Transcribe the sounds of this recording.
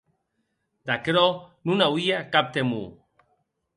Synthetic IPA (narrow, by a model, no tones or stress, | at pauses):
d̪akɾɔnunawiakap̚t̪emṵ